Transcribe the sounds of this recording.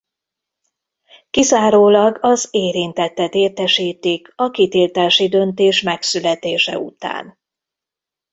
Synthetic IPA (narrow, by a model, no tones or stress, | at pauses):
kizaːɾoːlɒɡɒzeːɾint̪ɛt̪ːɛt̪eːrt̪ɛʃiːt̪ikʰɒkit̪ilt̪aːʃid̪ø̞nt̪eːʃmɛksylɛt̪eːʃɛ̰ṵt̪a̰ːn